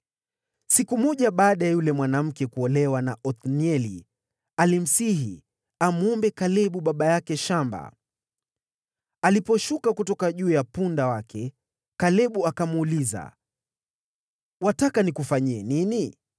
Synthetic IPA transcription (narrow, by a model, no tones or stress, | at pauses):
sikumɔʄaɓaːɗajajulɛmwanam̩kɛkuɔlɛwanaʔɔt̪niɛli | alim̩siɦḭ | amɔmbɛkalɛɓuɓaɓajakɛʃamba̰ | alipɔʃukakutɔkaʄuːjapundawakʰɛ | kalɛɓuakamuːliza̰ | watakanikufaɲiɛnini